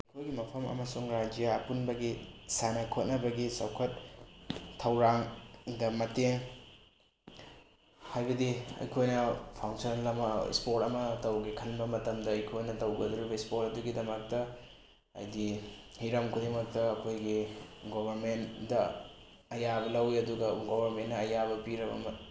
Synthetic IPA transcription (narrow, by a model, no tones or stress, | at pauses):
ɐjkʰojɡimɐpʰɐmɐ̰mɐsuŋɾad͡ʒijaɐpunbɐɡisanɐkʰot̚nɐbɐɡisɐ̰wkʰɐt̚ | tʰːɐwɾaŋdɐmɐteŋ | hajbɐdiɐ̰jkʰojnɐpʰawŋsonlɐmɐ̰spotɐmɐtɐwɡikʰɐnbɐmɐtɐmdɐɐjkʰojnɐtɐwɡɐduɾibɐispotɐduɡidɐmɐk̚tɐ | ɐ̰jdihiɾɐmkʰudemɐk̚tɐːkʰojɡiɡobɐɾmendɐ | ɐjabɐlɐwiɐduɡɐɡobɐɾmenːɐɐjabɐpiɾɐbɐ̰mɐ